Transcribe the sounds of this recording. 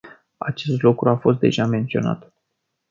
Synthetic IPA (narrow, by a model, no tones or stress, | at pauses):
a̰t͡ʃe̞st̪lukɾuafo̞st̪d̪e̞̰ʒame̞nt̪sio̞na̰t̪